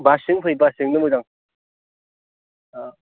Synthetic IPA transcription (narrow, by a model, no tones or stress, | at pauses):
basɯŋpʰɯjbasɯŋnɯmɯzaŋ | a